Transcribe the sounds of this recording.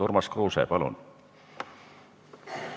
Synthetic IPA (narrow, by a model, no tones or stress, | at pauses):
urmɑskruːsḛːpɑlṵn